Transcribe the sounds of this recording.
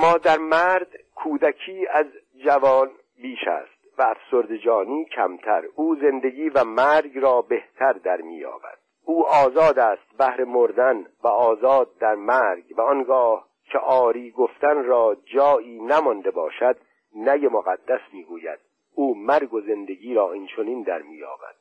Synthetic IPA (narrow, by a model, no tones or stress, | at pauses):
mɒːd̪æɾmæɾd̪kʰuːd̪ækʰiːæz | d͡ʒævɒːn | biːʃæ̰ːst̪væːfsoɾd̪ed͡ʒɒːniːcʰæ̰mt̪ʰæɾʔuːze̞nd̪e̞ɡiːvæmæɾɡrɒːbe̞ht̪ʰæɾd̪æɾmḭːjɒ̰ːvæ̰d̪̥ʔuːʔɒːzɒːd̪æːst̪̚bæhɾe̞moɾd̪ænvæɒːzɒːd̪̚ːæɾmæɾɡvæɔnɡɒːh | cʰeʔɒːɾiːɡoft̪ænrɒːd͡ʒɒːiːnæmɔnd̪e̞bɒ̰ːʃæd̪ | næjemoɣæd̪ːæsmiːɡuːjæ̰d̪̥̚ | uːmæɾɡo̞ze̞nd̪e̞ɡiːɾɒːint͡ʃʰo̞niːnd̪æɾmiːjɒ̰ːbæ̰d̪̥